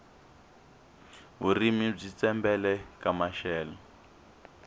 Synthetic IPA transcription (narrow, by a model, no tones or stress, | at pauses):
ɦurimib͡ʐit͡sɛmbɛlɛkamaʃɛːlɔ